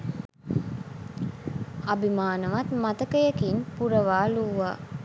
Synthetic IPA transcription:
ɐbimaːnɐʋɐt̪mɐt̪ɐkəjɐkinpuɾɐʋaːluʋa̰ː

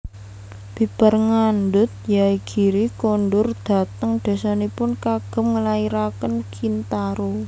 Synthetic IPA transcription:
b̥i̤b̥ərŋandʊt̪̚jaiɡ̥i̤ɾikonɖʊrd̪̥a̤t̪əŋd̪̥a̤sanepʊnkaɡ̥ə̤mŋəlaiɾakənkʰint̪aɾo

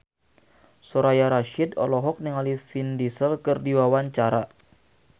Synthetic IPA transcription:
soɾajaɾaʃidɔ̰lɔɦɔk̚niŋalifindisəlkərdiwawaɲt͡ʃaɾa

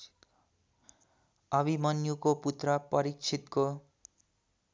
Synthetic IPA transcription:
ʌbʱimʌnjukoput̪rʌpʌɾik̚t͡sʰit̪ko

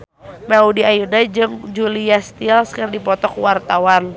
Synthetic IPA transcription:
maudiajudad͡ʒɨŋd͡ʒuliast̪ialskɨrdipɔt̪ɔkwart̪awan

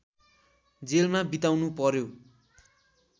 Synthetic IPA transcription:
d͡zelmabit̪awnupʌɾjo

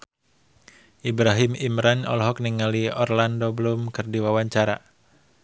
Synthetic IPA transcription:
ʔibɾaɦimimɾanɔ̰lɦɔk̚niŋaliɔrlandobəlʊmkɨrdiwawaɲt͡ʃaɾa̰

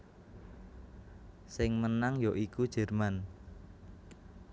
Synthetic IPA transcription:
sɪŋmənaŋjoʔikud̥ʒ̥ɛ̤rman

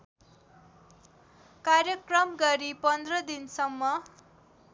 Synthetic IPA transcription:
karjʌkrʌmɡʌɾipʌnd̪rʌd̪insʌmːʌ

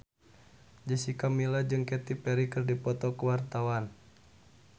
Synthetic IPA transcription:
d͡ʒəsikamilad͡ʒɨŋkɛt̪ipɛɾikɨrdipɔt̪ɔkəwart̪awan

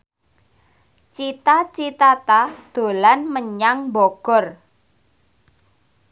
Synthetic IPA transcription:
t͡ʃit̪at͡ʃit̪at̪ad̪̥o̤lanməɲaŋbɔɡ̥ɔ̤r

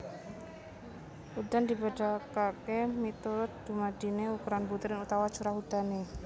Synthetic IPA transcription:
ud̪and̪ibeɖakakemit̪uɾʊt̪̚d̪̥umad̪̥ineukuɾanbut̪ɪɾɪnut̪awḁt͡ʃuɾahud̪̥ane

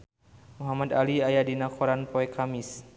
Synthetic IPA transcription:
muɦamad̪aliajadinakʰoɾanpɔɛkʰamɪs

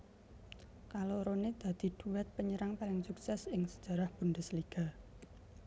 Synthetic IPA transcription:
kaloɾoned̪̥ä̤d̪̥i̤d̪̥uwɛt̪̚pəɲəɾaŋpalɪŋsuksɛsɪŋsə̥d̥ʒ̥ä̤ɾahb̥und̪əsliɡ̥a̤

